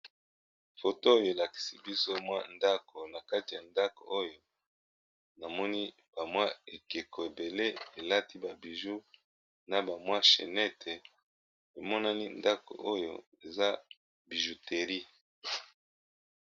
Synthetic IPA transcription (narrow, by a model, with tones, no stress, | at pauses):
fo˨to˦o˦jo˨e˨la˨ki̥˨si˨bi˦so˦mwa˦nda˦ko˨na˨ka˦ti˨ja˨nda˦ko̰˨ʔo˦jo˨ | na˨mɔ˦ni˦ | b̥a˨mwa˦e˨ke˨ko˨e˨be˨le˦e˨la˦ti˦ba˨bi˨ʒu˦ | na˨ba˨mwa˦ʃḛ˨nɛ˦tʰe˨ | e˨mɔ˦na˦ni˦nda˦ko̰˨ʔo˦jo̰˨ | e˨za˦ | bi˨ʒu˨te˨ʁi˦